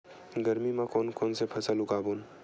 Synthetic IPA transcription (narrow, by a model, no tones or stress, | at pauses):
ɡəɾmimãkɔːnkɔːnsepʰɐsəlʊɡaːbun